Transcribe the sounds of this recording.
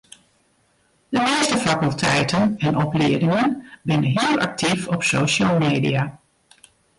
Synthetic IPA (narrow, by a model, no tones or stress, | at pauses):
d̥əmɪəstəfakəlˠtʰɛjtənɛnʔɔplɪədɪŋənbɪnənɦiəlˠʔa̰k̚tʰifɔpsoːʃalˠmeːdḭa